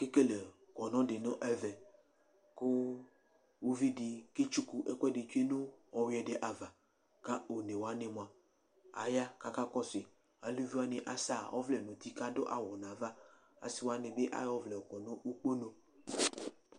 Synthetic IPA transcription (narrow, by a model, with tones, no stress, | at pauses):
ke˦ke˦le˨ | kɔ˨nɔ̃˦ɖe˨nɔ̃˦ʔɛ˦vɛ˨ | ko˦ | wu˦vi˦di˨ke˦t͡ʃu˦ku˦ʔɛ˦kɛ˦de˨t͡ʃe˦nõ˦ɔ˨wɛ˨de˨ʔa˨va˨ | ka˦o˨ne˨wo˨a˦ne˨mõ˨a˨ | a̰˨ja˦ka˦ka˦kɔ˦sɪ˨ | a˨li˦vi˦a˦nẽ˨ʔa˨sa˦˨ɔ˦vlɛ˨nõ˨t̪i˦ka˦do˦ʔa˨wɔ˨nã˨va˦ | a̰˨si˦wo˦a˦nẽ˨be˦ʔa̰˦jɔ˦vlɛ˨o˨kɔ˨nõ˦u˦k͡po˦no˨